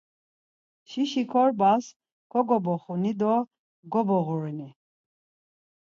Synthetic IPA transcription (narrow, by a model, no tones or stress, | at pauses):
ʃiʃikʰɔɾbas | kʰɔɡɔbɔχunid̪ɔ | ɡɔbɔɣuɾini